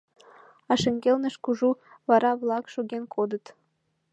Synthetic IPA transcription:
ɑʃĕŋɡʲelnĕʃkuʒu | βɑɾʔɑβlˠɑkʃoɣenkʰod̪ə̆t̪

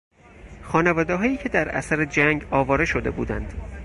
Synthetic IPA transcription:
xɒːnevɒːd̪eɦɒːjiːcʰe̞d̪æɾæ̰sæɾed͡ʒæŋɡɒːvɒːɾe̞ʃod̪e̞̰buːd̪æ̰nd̪̥

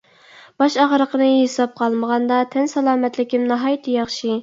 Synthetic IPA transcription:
b̥ɑʃɑʁɾəqənɨɦesɑp̚qʰɑlˠməʁɑnd̪ɑt̪ʰɛnsɑlˠɑːmɛt̪lɪkʲimnɑɦɑjt̪ʰɨjɑχʃi

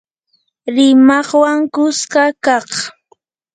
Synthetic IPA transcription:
ɾɪmɑχwaŋkʊskakɑχ

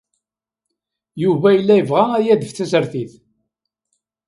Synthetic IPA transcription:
juvæjəlːæjəvʁææjæd̪əfθæsəɾθiθ

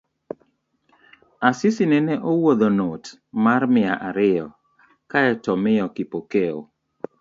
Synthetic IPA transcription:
asisinɛnɛʔowod̪onot | marmɪaʔaɾɪɔ | kaɛtɔmɪjɔkipokeo̰

